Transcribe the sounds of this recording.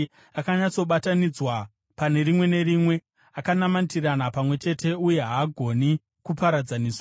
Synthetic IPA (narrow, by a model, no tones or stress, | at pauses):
akaɲat͡so̞ɓatanid͡zwa | pane̞rimwe̞ne̞ɾimwe̞ | akanamantiranapamwe̞t͡ʃe̞tʰe̞uje̞ɦaːɡʱo̞ni | kupaɾad͡zaniːswa